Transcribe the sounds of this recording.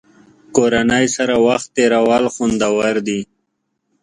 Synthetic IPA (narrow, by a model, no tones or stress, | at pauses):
koɾanajsaɾawaxt̪ːeɾawalxund̪awaɾd̪i